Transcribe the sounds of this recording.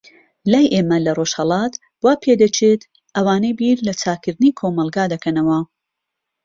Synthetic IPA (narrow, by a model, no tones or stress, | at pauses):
laːjʔeːmɐlɐroʃhɐlˠɑːt̪ | bwaːpʰed̪ɐt͡ʃʰet̪ | ʔɐwaːnejbiɾlɐt͡sʰaːkɨɾd̪ɨnikʰomɐlˠɡaːd̪ɐkʰɐnɐwɐ